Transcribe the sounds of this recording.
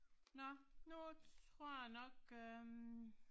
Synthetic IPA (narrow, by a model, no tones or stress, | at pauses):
nɔnut͡sʁo̝ɐ̰janɔɡ̥ø